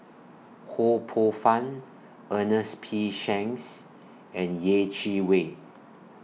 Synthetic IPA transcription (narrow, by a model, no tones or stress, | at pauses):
hopʰofãn | ʔənəspʰiʃɛ̃ŋs | ɛ̃njet͡ʃiwe